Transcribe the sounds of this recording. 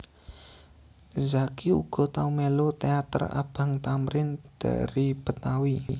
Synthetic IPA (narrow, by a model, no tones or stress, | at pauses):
zakiṵɡ̥ɔ̤t̪aumɛlot̪eat̪ə̰ra̰b̥aŋt̪amɾɪnd̪̥a̰ɾib̥ə̤t̪awi